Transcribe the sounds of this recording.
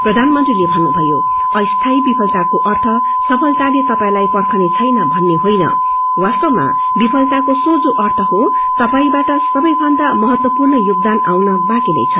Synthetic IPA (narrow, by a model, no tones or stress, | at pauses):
prʌd̪ʱanmʌnt̪rilebʱʌnːubʱʌjo̰ | ʌjst̪ʰajbipʰʌlt̪akoʔʌrt̪ʰʌ | sʌpʰʌlt̪alet̪ʌpaĩlajpʌrkʰʌnet͡sʰʌjnʌbʱʌnːeɦojnʌ̰ | wast̪ʌma̰ | bipʰʌlt̪akosod͡zoʔʌrt̪ʰʌɦo | t̪ʌpaĩbaʈʌsʌbʌjbʱʌnd̪amʌɦʌt̪wʌpurnʌjuɡ̚d̪anawnʌbakinʌ̰jt͡sʰʌ